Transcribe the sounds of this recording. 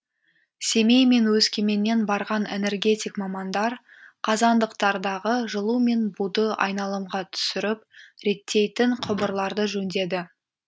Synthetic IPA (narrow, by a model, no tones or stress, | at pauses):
se̞me̞jme̞nwɵskʲʰe̞me̞nːe̞nbɑɾʁɑnḛne̞rɡʲe̞t̪ʲijkmɑmɑnd̪ɑɾ | qʰɑzɑnd̪əq̚t̪ɑɾd̪ɑʁəʒəlˠume̞nbud̪əʔɑ̰jnɑlˠəmʁɑt̪ʰʏ̥sɪɾɪp̚ɾe̞t̪ʰːe̞jt̪ɪɴqʰʊbəɾlˠɑɾd̪əʒɵnd̪e̞d̪ɪ